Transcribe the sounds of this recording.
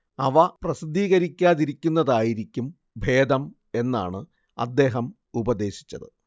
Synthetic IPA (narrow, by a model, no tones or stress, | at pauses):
ɐʋɐprɐsid̪ʱːiːɣɐɾikʲːaːðiɾikʲːunːɐðaːjiɾikʲːum | bʱe̞ːd̪ɐm | e̞nːa̰ːɳɨ | ɐ̰d̪ːe̞ːɦɐm | ubɐd̪e̞ːɕi̥t͡ɕːɐ̰ðɨ